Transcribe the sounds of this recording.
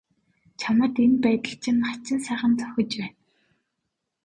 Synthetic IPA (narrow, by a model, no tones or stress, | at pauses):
t͡ɕʰamə̆t̪enpæːt̪ə̆ɬt͡ɕʰɪ̆nχat͡ɕɪ̆nsæːχə̆nt͡s̪ʰʊ̥xʲɞ̆t͡ɕpæːn